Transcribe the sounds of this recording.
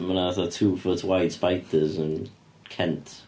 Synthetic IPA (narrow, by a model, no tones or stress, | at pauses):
mənaθɔtʰuːfʊtʰwajd̥spajtəzə̃n | kʰɛ̃ntʰ